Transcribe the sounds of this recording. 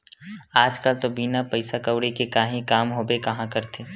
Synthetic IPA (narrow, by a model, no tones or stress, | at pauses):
aːd͡ʒkəlt̪obiːnapəɪsakəwɽekekaːɦĩkaːmɦobekɐɦãkəɾt̪ʰeː